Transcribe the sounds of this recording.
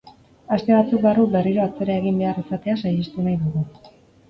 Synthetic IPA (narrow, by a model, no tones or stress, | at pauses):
ast̪e̞βat͡suk̚barukbe̞riɾo̞at͡se̞ɾae̞ɣ̞imbe̞arisat̪e̞asajest̪unajðuɣu